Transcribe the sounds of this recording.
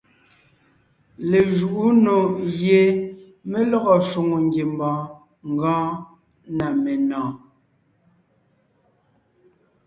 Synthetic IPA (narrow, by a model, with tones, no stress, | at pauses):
le˨ʒu˨ʔu˦no˨je˨ | me˦lɔ˦ɣɔ˨ʃo˨ŋo˨ŋ˦ɡje˨mbɔ̃ː˨˦ | ŋ̩˨ɡɔ̃ː˦ | na˨me˨nɔ̃ː˨